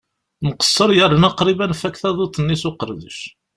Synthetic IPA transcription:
məqə̥sˤːəɾjərːənɑqɾibænfækθæðˤut̪ˤːənːisʊqəɾðə̰ʃ

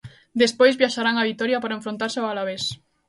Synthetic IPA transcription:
d̪espojzβjaʃaɾaŋaβit̪oɾjapaɾaeɱfɾont̪aɾseoalaβ̞es

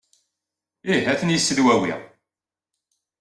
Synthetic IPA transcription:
iɦæθənjəsːəðwæwḭʁ

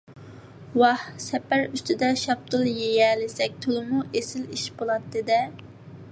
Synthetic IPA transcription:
wɑhsɛpæɾyst̪ʰɪd̪ɛʃɑp̚t̪ʰɨlˠjejɛlɪsɛk̚ʲt̪ʰulmuʔesɪliʃbolˠɑt̪ːɨd̪ɛ

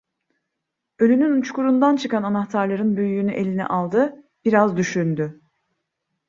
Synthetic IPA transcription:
ø̞lʲynynut͡ʃkʰuɾund̪ant͡ʃʰɯkananaxt̪ʰaɾlˠaɾɯnbøjjynyʔe̞lʲinɛ̰ʔalˠd̪ɯ | b̥iɾazd̪yʃynd̪y

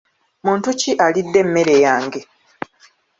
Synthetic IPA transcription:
muːntuciʔalidːe̞mːe̞ɾe̞jaːŋɡe̞

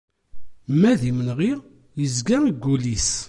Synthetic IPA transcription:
mæðimənʁi | jəzɡæniɡːulis

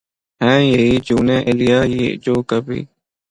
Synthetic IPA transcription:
ɦɛ̃ːjeiːd͡ʒuːnẽːʔɪlɪjaːjid͡ʒoːkəbḭː

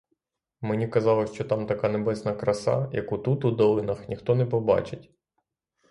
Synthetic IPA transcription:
menʲikɐzɑlˠɔʃt͡ʃɔt̪ɑmt̪ɐkɑnebɛsnɐkɾɐsɑ̰jɐ̰kut̪ut̪ud̪ɔlˠɪnɐxnʲixt̪ɔnɛpɔbɑ̰t͡ʃɪtʲ

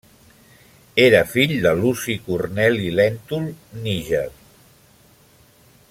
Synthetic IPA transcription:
eɾəfiʎd̪əlusikurnɛlilɛnt̪ulˠniʒə

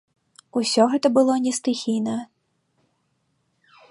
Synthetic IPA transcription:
usʲɔɣɛt̪ɐbɨlˠɔnʲɛst̪ɨxʲijnɐ

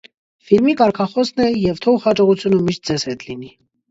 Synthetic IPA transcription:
fiɾmikɑɾkʰɑχɔsnɛjɛvt̪ʰɔhɑt͡ʃɔʁut͡sʰjunəmiʃt̪̚d͡zɛz̥hɛt̪lini

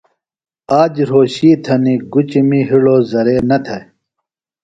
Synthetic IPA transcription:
aːd͡ʑɾoːɕiːt̪ʰɐniɡut͡ɕimiɦiɽoːzɐɾeːnɐt̪ʰɐj

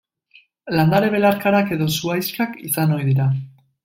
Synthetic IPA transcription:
land̪aɾeβ̞e̞laɾkaɾake̞ðo̞suajsfɾakḭsano̞jðiɾa

